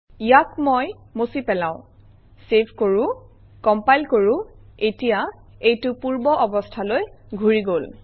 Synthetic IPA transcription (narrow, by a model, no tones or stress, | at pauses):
ijakmɔj | mosipɛlã̰ʊ̃ | sepʰkoɹu | kɔmpajlkoɹuetija | ejtʊpuɹbɔʔɔbɔstʰalojɡʱuɹiɡol